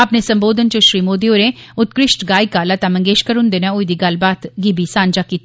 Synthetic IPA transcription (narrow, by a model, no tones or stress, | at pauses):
əpneːsəmboːd̪ənt͡ʃoʃɾiːmoːd̪ioːɾeːʊt̪̚kɾɪʃʈɡaːikaːlaːt̪ãːmə̃ŋɡeːʃkəɾʊ̃nd̪eːnẽoid̪iːɡɐlbaːt̪ɡibiːsãːnd͡ʒaːkiːt̪